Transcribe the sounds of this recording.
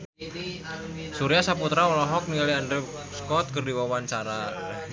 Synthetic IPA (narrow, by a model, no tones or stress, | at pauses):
suɾiasaput̪ɾaɔlɔɦɔk̚nialiandɾɛ | skɔt̪̚kərdiwawaɲt͡ʃaɾa